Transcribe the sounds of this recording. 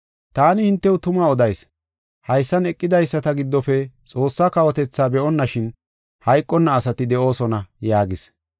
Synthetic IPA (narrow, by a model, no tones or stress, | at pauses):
t̪aːnɪhɪnt̪ːɛwʊt̪ʊmaːɔd̪ɐjs | hɐjsːɐnɛkʼːɪd̪ɐjsːɐt̪ɐɡɪd̪ːɔfɛt͡sʼo̞ːsːaːkɐwɔt̪ɛt͡sːaːbɛʔɔnːɐʃɪn | hɐjkʼːɔnːɐːsɐt̪ɪd̪ɛʔo̞ːsɔnɐjaːɡɪs